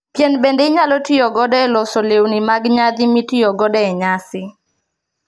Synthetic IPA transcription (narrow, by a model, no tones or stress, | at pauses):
pjɛnbendeɲalɔtɪjɔɡɔdɛɛlɔsɔlewnimaɡɲad̪imitɪjɔɡɔdɛɛɲasɪ